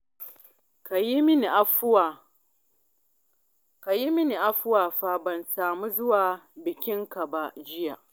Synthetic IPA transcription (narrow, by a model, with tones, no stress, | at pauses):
ka˨ji˦mɪ˦ni˨ʔa˦˨ | ka˨ji˦mɪ˦ni˨ʔa˦ɸʊ˦waː˨ɸa˦bɐ˨nsaː˨mu˦zʊ˦waː˨bɪ˨kʲɪ˦ŋka˨ba˦d͡ʒɪ˦ja̰˨